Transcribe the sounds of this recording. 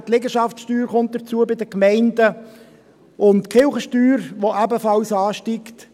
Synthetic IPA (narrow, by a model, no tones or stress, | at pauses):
t̪lɪɡəʃɑfsʃtyːɾχʊnt̚d̥ət͡suəbɪd̪əkmɛɪndə | ʊntkʰɪlχəʃtyːɾʋoʔæbəfɑlsɑːʃtikt